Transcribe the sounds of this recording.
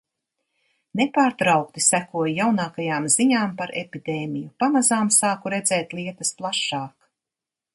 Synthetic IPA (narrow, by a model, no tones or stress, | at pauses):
nepaːɾt̪ɾawk̚t̪isækuɔjjawnaːkajaːmziɲaːmpaɾepid̪eːmijupamazaːmsaːkuɾɛd̪zɛːt̪lˠiɛt̪ɐsplˠaʃːaːk